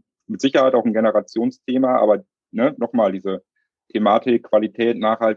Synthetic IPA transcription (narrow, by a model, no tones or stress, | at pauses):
mɪtz̥ɪçɐhaɪtaʊxn̩ɡenəʁat͡sjoːnstʰeːmaʔa̰ːbɐ | nənɔχmaːldiːzə | tʰemaːtʰɪkʰːv̥alitʰɛːtnaːχhalt